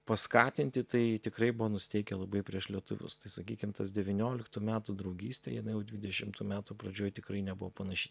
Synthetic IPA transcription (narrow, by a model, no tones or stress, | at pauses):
pɐskɑːt̪ʲɪnʲt̪ʲɪt̪ɐɪt̪ʲɪkɾɐɪbʊʋoːnʊsʲɪ̥t̪ʲɛɪkʲɛlˠɐbɐɪpʲɾʲiɛʃlʲiɛt̪ʊʋʲʊ̰st̪ɐɪsɐkʲiːkʲɪmt̪ɐsd̪ʲɛʋʲɪnʲoːlʲɪkt̪uːmʲæːt̪ud̪ɾɐʊɡʲiːsʲt̪ʲḛjɪnɐɪjɛʊd̪ʲʋʲɪdʲɛʃʲɪmt̪uːmʲæːt̪upɾɐd͡ʒʲoːjt̪ʲɪkɾɐɪnʲɛbʊʋopɐnɐʃʲi